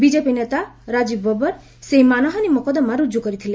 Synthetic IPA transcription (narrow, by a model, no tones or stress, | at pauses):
bid͡ʒepinet̪aɾad͡ʒibɔbɔɾ | seɦimanɔɦɔnimɔkɔd̪ɔmaɾud͡ʒukɔɾit̪ʰile